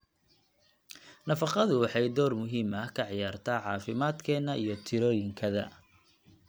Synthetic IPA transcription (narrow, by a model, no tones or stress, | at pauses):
nɐfɑqɑðʊwɑħɑjd̪ɔːrmʊɦiːmɐhkʰɐʕjaːrt̪ʰaːʕɑːfɪmaːd̪kʰɛːnːɐʔijɞt̪ʰɪɾɔːjɪŋkʰɐðɐ̰